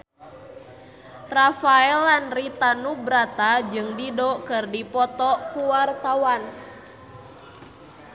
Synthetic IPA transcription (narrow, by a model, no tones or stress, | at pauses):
rafaɛlanrit̪anubɾat̪ad͡ʒɨŋdidɔkɨrdipɔt̪ɔkuwart̪awan